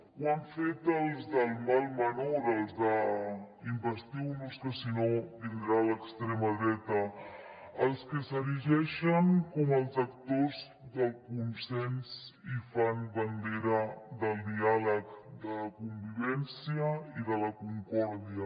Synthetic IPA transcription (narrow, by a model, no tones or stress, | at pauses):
waɱfet̪əlˠzðəlˠmalˠmənoɾəlˠzðə | imbəst̪iwnoskəsinod̪inɾaləkst̪ɾɛməðɾɛt̪ə | əlˠskəsəɾiʒɛʃəŋkɔməlˠzakt̪oz | ðəlˠkunsɛnsifanbənd̪eɾəd̪əlˠd̪ialəkd̪ələkumbiβɛnsiəiðələkuŋkɔɾðiə